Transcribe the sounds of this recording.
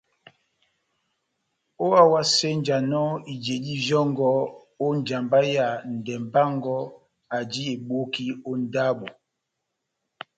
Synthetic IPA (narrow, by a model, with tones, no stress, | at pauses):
o˦a˦wa˦se˦n̩˨d͡ʒa˨nɔ˦i˨d͡ʒe˨di˦zɔ˦ŋ˦ɡɔ˦ | o˦n˨d͡ʒa˨mba˦ja˨n̩˨dɛ˨m˨ba˦ŋ˦ɡɔ˦ | a˨d͡ʒi˦e˨ɓo˦ki˦o˦n̩˦da˦ɓɔ˨